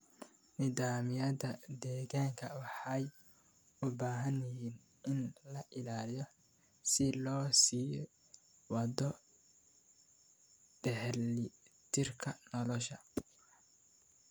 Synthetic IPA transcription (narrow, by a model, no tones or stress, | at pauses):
nɪðaːmɪjɐðɐd̪ɛːɣaːŋkʰɐwɑħɑj | ʊbaːɦɐnjɪɦiːn | ɪnlɐʔɪlaːlijɔ | sɪlɔːsiːj | wɑd̪ɔ | ɖɛhlɪt̪ʰɪrkʰɐnɔlɔʃɐ